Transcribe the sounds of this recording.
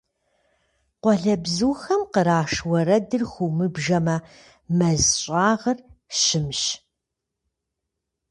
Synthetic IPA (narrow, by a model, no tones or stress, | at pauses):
qʷɔɮɐbzuːxɐmqəɾaːʂwɐɾɐdɨrxʷumɨbʒɐmɐ | mɐzɕʼaːʁɐrɕɪmɕ